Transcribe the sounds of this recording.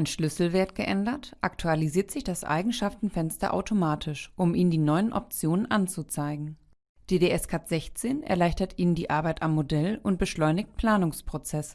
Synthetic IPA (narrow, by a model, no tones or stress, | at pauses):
ʔaɪnʃlʏsl̩veːɐtɡ̥əʔɛndɐtʔaktʰualiziːɐtz̥ɪçd̥asʔa̰ɪɡŋ̩ʃaftn̩fɛnstɐ̰ʔa̰ʊtʰomaːtʰɪʃʔʊmʔiːnəndiːnɔʏənʔɔ̰p̚t͡sjoːnənʔant͡sut͡saɪɡŋ̩ | d̥eːdeʔɛskʰatz̥ɛçt͡seːnɛ̰ɐlaɪçtɐtʔiːnndiːʔaɐbaɪtamːodɛlʊnt̚b̥əʃlɔʏnɪç̚t̚pʰl̥aːnʊŋspʁ̥ot͡sɛs